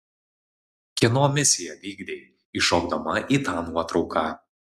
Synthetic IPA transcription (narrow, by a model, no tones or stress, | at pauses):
kʲɛnoːmʲɪsʲɪjɛʋʲiːɡd̪ʲeɪ | iʃoːɡd̪ɐmɐʔiːt̪ɑːnuɔt̪ɾɒʊkʰɑː